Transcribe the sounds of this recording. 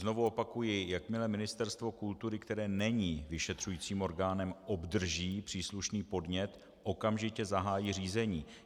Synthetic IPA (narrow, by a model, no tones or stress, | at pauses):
zno̞vuo̞pakujɪjakmɪlɛmɪnɪst̪ɛɾst̪vo̞kult̪uɾɪkt̪ɛɾɛːnɛɲiːvɪʃɛt̪r̝̥ujiːt͡siːmo̞ɾɡaːnɛmʔo̞bdr̩ʒiːpr̥iːsluʃniːpo̞dɲɛt̪ | ʔo̞kamʒɪcɛzaɦaːjiːr̝iːzɛɲiː